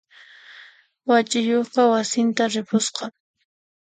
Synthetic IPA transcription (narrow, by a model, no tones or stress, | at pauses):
wat͡ʃɪjoχqɑwasɪnt̪aɾɪpʰʊsqɑ